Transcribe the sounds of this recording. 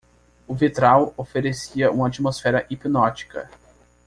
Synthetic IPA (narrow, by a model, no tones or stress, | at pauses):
ʊvit̪ɾawofeɾesiɐʔũmɐat͡ʃimosfɛɾɐʔipinɔt͡ʃi̥kɐ̰